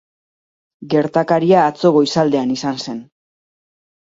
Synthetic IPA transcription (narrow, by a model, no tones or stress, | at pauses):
ɡe̞ɾt̪akaɾiaːt͡so̞ɣo̞isald̪e̞anisanse̞n